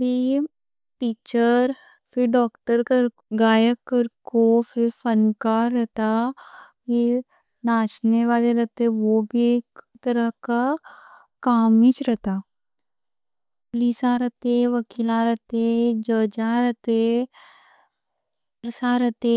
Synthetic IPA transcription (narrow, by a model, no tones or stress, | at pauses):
bʱi | ʈiːt͡ʃəɾ | fɪɾɖɔːkʈəɾkəɾ | ɡaːjəkːəɾkofɪɾfənkaɾɛt̪aki | naːt͡ʃneʋaːleɾɐt̪eɛ̃ʋobʱieːkt̪ɐɾəɦka | kaːmit͡ʃɾɛt̪aː | pliːsãɾət̪eʋɐkiːlãɾət̪ed͡ʒəd͡ʒaɾɛt̪e | ɾsaɾət̪e